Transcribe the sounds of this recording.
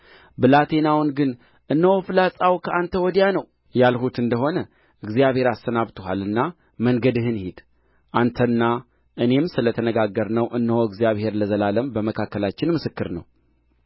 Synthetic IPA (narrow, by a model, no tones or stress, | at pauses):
bɨlat̪ʰe̞nawnɡɨn | ʔɨnːəhofɨlasʼawkʰəʔant̪ʰəwɔd̪ijanəw | jalhut̪ɨnd̪əɦo̞nə | ʔɨɡzijaβhe̞ɾast̪ənaβt̪ʰoɦa̰lɨnːa | məŋɡəd̪ɨɦɨnhid̪̥ | ʔant̪ʰənːa | ʔɨne̞msɨlət̪ʰənəɡaɡəɾnəwʔɨnːəhoɨɡzijaβhe̞ɾləzəlaləmbəməkʰakːəlat͡ʃːɪnmɨsɨkːɨɾnə̰w